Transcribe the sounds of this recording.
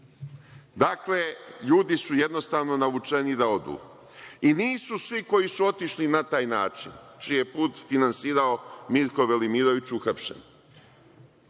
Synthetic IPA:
d̪akleʎuːd̪isuje̞d̪no̞st̪aːʋno̞naʋut͡ʂenid̪ao̞d̪ṵː | iniːsusʋiko̞jisuo̞t̪iʃlinat̪aːjnaːt͡ʃint͡ʃije̞puːt̪finansiːɾao̞miɾko̞ʋelimiɾo̞ʋit͡ɕuxapʃḛn

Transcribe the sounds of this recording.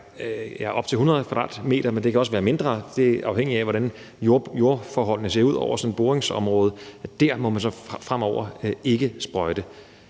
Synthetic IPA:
jæʔɒ̽b̥t͡sʰe̝lhunʁɐðˠkʰʋɑ̈d̥ɑ̰̈ːd̥me̝̰ːd̥ɐmend̥e̝kʰæɒ̽s̬ʋæːɐme̝nd̥ʁɐːd̥e̝æʔɑ̈ʊheŋ̰iæʋɒɾæn | jojo̝ɐfɒːɦɒ̽l̰nəse̝̰ːɐuð̞̰ˠɒʊ̰ɐsɒ̽nb̥o̝ːʁeŋsɒ̽mʁɔ̽ːð̞ˠd̥æɐ̰mɒ̽mænsɒ̽fʁam̰ɒʊ̰ɐe̝ɡ̥əsb̥ʁɒɪd̥ə

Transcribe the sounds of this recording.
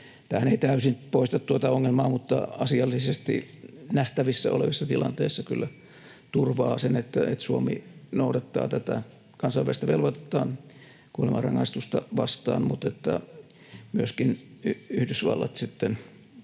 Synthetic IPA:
t̪æːæneit̪æysinpoist̪ɑt̪t̪uot̪ɑoŋːelmɑːmut̪ːɑ̰ɑsiɑlːisest̪ḭnæht̪æʋisːæ̰o̰leʋisːɑt̪ilɑ̰nt̪eːsːɑkylːæ | t̪urʋɑːsenet̪ːæet̪suomḭnoudɑt̪ːɑ̰ːt̪æt̪æ | kɑnsɑʋʋæ̰rst̪ɑʋelʋot̪e̥t̪ˑɑːn | kuolemɑ̰rɑŋːɑst̪ust̪ɑʋɑst̪ɑ̰ːnmut̪et̪ːæ̰ | myøskinyyhdysʋɑ̰lːɑ̰t̪sit̪ːen

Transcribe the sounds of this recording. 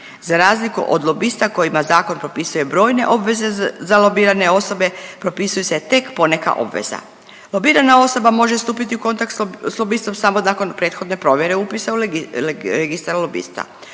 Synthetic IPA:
zaɾaːzlikṵʔo̰d̪lˠo̞bist̪ako̞jimazaːko̞npɾo̞pisujebɾo̞ːjne̞̰ʔo̞bʋe̞ze̞zalo̞biːɾane̞o̞so̞be̞pɾo̞pisujeset̪e̞kpo̞ne̞ka̰ʔo̞̰bʋḛza̰ | lˠo̞biːɾanao̞so̞bamo̞ʒe̞st̪uːpit̪iuko̞nt̪akt̪sslˠo̞bist̪o̞msamo̞naːko̞npɾe̞ːt̪xo̞d̪nepɾo̞ʋje̞ɾe̞upisau | ɾeɡist̪aɾlo̞bḭst̪a̰

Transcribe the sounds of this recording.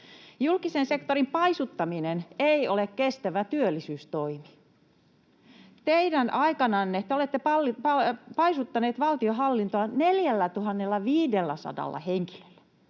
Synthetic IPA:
julkisensekt̪orimpɑisut̪ːɑmineneiolekkest̪æʋæt̪yølːisyːst̪oimi̥ | t̪eidænʔɑikɑnɑnːet̪eolet̪ːepɑlːipɑpɑisut̪ːɑneːt̪ʋɑlt̪ioɦɑlːint̪oɑneljælːæt̪uhɑnːelːɑʋiːdelːæsɑ̰dɑ̰lːɑ̰heŋki̥lø̥lːæ̥

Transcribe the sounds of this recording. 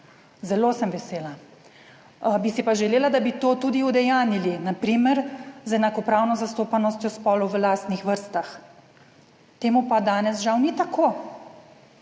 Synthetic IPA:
zɛlosəmʋɛseːla | bisipaʒɛleːlad̪abit̪oːt̪uːd̪iud̪ɛjaːnilinapɾiːmɛɾzɛnakɔpɾaːwnɔzast̪oːpanɔst̪jɔspɔːlɔwʋəlaːst̪nixʋəɾst̪ax | t̪eːmupad̪aːnɛsʒawnit̪akʰoː

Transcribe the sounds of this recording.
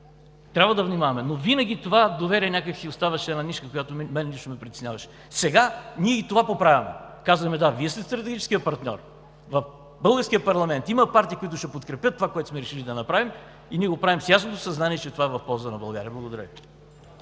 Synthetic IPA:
t̪ɾʲabvəd̪ɐvnʲimavɐmɛnovinəɡ̟ʲit̪ovad̪ovɛɾʲiɛnʲakəksiost̪avɐʃɛɛnaniʃkəkojat̪omɛnɛniʃt̪omɛpɾit̪ɛ̥snʲavɐʃɛ̥ | sɛɡaniɛit̪ovapopɾavʲɐmɛ̰ | kazvəxmɛd̪aviɛst̪ɛst̪ɾɐt̪ɛɡit͡ʃɛ̥skijəpɐɾt̪nʲɔ̰ɾ | vɐf | bɤlˠɡəɾskʲiəpɐɾlˠɐmɛnt̪imɐpaɾt̪iːkoit̪ʊʃɛpot̪kɾɛpʲjət̪ːovakoɛt̪osmɛɾɛʃilid̪ɐnɐpɾavim | iniɛɡopɾavimsjasnot̪o̥sɐznaniɛt͡ʃɛt̪ovaɛvɐfpɔlˠzənɐbɐlˠɡa̰ɾiəblˠɐɡod̪ɐɾə̰vi

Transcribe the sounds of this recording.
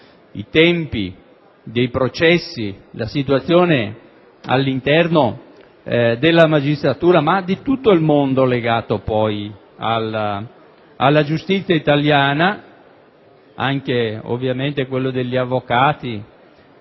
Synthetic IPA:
ḭt̪ɛmpḭ | d̪ejpɾot͡ʃɛsːilasit̪wat̪sːjoːne | a̰lːint̪ɛrno | d̪elːamad͡ʒist̪ɾat̪uːɾamad̪it̪ut̪ːoilmond̪oleɡaːt̪opɔj | al | alːad͡ʒust̪it̪sːjait̪aljaːna | aŋkeo̰vːjament̪ekwelːod̪eʎːiavːokaːt̪i

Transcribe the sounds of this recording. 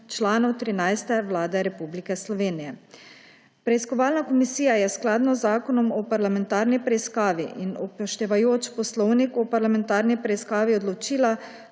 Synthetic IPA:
t͡ʃlaːnɔwt̪ɾinajst̪ɛʋlaːd̪ɛɾɛpublikɛslɔʋeːnijɛ | pɾɛiskɔʋaːlnakɔmisiːjajɛsklaːd̪nɔzːaːkɔnɔmɔpaɾlamɛnt̪aːɾnipɾɛiskaːʋiʔinɔpɔʃt̪ɛʋajoːt͡ʃpɔslɔwnikɔpaɾlamɛnt̪aːɾnipɾɛiskaːʋiɔd̪lɔt͡ʃiːla

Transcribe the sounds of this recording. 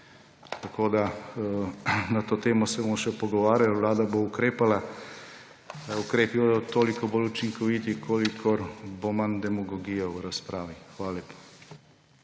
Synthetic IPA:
t̪akoːd̪a | nat̪oːt̪eːmɔsɛbomʃɛpɔɡɔʋaːɾʲjalʋlaːd̪aboukɾeːpala | ukɾeːpibod̪ɔt̪oːlikɔbolut͡ʃiŋkʰɔʋiːt̪ikʰoːlikʰɔɾbomand̪ɛmɔɡɔɡijawɾaspɾaːʋixʋaːlaleːpḁ

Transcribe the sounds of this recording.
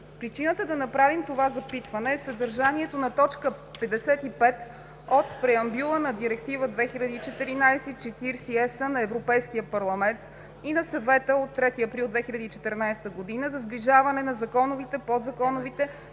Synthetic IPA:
pɾit͡ʃinət̪əd̪ɐnɐpɾavimt̪ovazɐpit̪vɐnɛːsɐd̪əɾʒaniɛt̪onɐt̪ɔt͡ʃkəpɛd̪ɛsɛt̪ipɛt̪ | ot̪pɾɛɐmbjulˠənɐd̪iɾɛk̚t̪ivəd̪vɛxilʲɐd̪iːt͡ʃɛt̪ɛɾinajsɛt͡ʃɛt̪iɾsiɛsənɐɛvɾopɛjsk̟ijəpɐɾlˠɐmɛnt̪ | inɐsɐvɛt̪əot̪ːɾɛt̪iɐpɾilˠd̪vɛxilʲɐd̪iːt͡ʃɛt̪ɛɾnajsɛ̥t̪əɡod̪inəzɐzbliʒavɐnɛnɐzɐkɔnovit̪ɛpod̪zɐkɔnovit̪ɛ

